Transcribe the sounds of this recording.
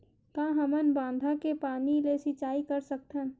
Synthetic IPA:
kãːɦəmənbãːnd̪ʱãkepaːnilesɪt͡ʃaːikəɾsək̚t̪ʰən

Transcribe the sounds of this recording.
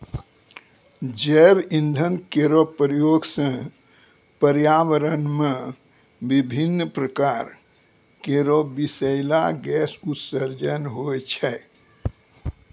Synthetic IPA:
d͡ʒɛɾĩnd̪ʱənkeɾopəɾjoːɡsə̃ | pəɾjaːʋəɾənmẽ | bibʱinːpɾəkaːɾ | keɾobisəɪlaɡɛsut̪səɾd͡ʒənɦojt͡ʃʰɛ

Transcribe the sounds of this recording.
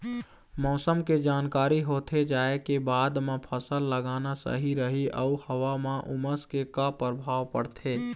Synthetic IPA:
mɔːsəmked͡ʒaːnkaːɾiɦot̪ʰed͡ʒaːekebaːd̪mãpʰəsəlːəɡaːnasə̰ɦiɾəɦiʔəuhəʋamãʔuməskekapəɾbʱaːwpəɽt̪ʰeː

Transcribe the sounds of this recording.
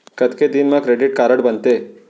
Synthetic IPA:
kəd̪ked̪iːnməkɾeɖiʈ̚kaɾəɽbənt̪e

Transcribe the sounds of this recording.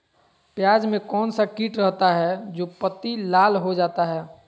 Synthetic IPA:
pjaːd͡ʒmẽkɔːnsakiːʈɾəɦt̪aɦɛd͡ʒoːpət̪ilaːlɦod͡ʒaːt̪aɦɛː

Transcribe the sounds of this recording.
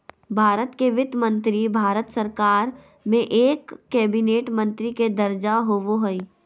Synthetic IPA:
bʱaːɾət̪keʋɪt̪mə̃nt̪ɾibʱaːɾət̪səɾkaːɾ | mẽʔeːkːɛːbineːʈmə̃nt̪ɾiked̪ɐɾd͡ʒaɦoʋoɦoi

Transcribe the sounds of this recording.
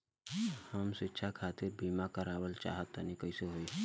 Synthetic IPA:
həmsɪtːʃʰakʰaːt̪ɪɾbiːmakəɾaːwəlt͡ʃa̰ːɦət̪ːanĩkəiseɦoːiː

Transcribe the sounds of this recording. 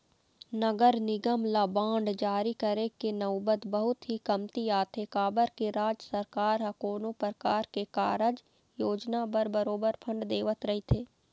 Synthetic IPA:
nəɡəɾnɪɡəmlabãːɳɖd͡ʒaːɾikəɾekenɐʋbət̪bəɦʊt̪ɦikɐmt̪iaːt̪ʰekaːbəɾkeɾaːd͡ʒəsəɾkaːɾɦɐkoːnopəɾkaːɾkekaːɾəd͡ʒ | joːd͡ʒnabəɾbəɾoːbəɾpʰə̃ɳɖd̪eːʋət̪ɾɐɦit̪ʰeː

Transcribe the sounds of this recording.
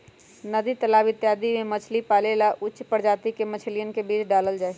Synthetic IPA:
nɐd̪it̪əlaːʋɪt̪jaːd̪imẽmɐt͡ʃʰlipaːleːlaʔʊːt͡ʃpəɾd͡ʒaːt̪ikemɐt͡ʃʰlijənkebiːt͡ʃɖaːləld͡ʒaːe

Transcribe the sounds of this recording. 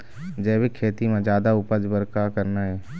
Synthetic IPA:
d͡ʒɛːbekʰːeːt̪imẽd͡ʒjaːd̪aʊpəd͡ʒbəɾkakəɾnaɦɛː

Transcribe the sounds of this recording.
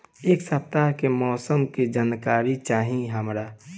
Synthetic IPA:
eːksəp̚t̪aɦkemɔːsəmked͡ʒaːnkaːɾit͡ʃaːɦĩɦəmɾaː

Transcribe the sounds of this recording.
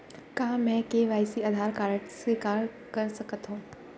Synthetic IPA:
kãːmɛ̃keʋaːjsiad̪ʱaːɾkaːɾəɽsiːkaːɾ | kɐɾsɐkət̪ɦõː

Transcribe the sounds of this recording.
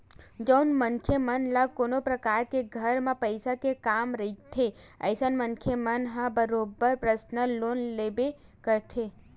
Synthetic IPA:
d͡ʒənmənkʰemənlakoːnopɾəkaːɾkeɡʱəɾmẽpəɪsakekaːmɾəɦit̪ʰːeə̰ɪsənmənkʰjemənɦãbəɾoːbːəɾpɾəsnəloːnleːbekəɾt̪ʰe

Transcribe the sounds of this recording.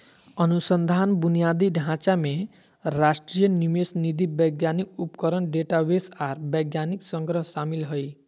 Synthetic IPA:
ʌnusʌnd̪ʱanbunijad̪iɖʱãt͡ʃame | ɾasʈɾijʌnimesnid̪ibʌjɡjanik̚upkʌɾʌnɖeʈawesaɾbʌjɡjaniksʌŋɡɾʌɦsamilɦoj

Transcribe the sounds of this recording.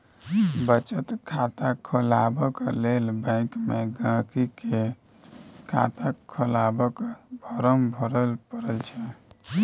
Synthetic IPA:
bət͡ʃət̪kʰat̪akʰəlabəklelbãɪkmeɡãkike | kʰa̰t̪akʰəlabəkbʱɔɾəmbʱɔɾəlpəɾəlt͡ʃʰɛ

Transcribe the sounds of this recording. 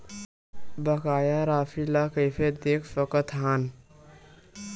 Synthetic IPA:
bəkajaɾapʰilakəjpʰed̪ekʰpəkət̪ɦan

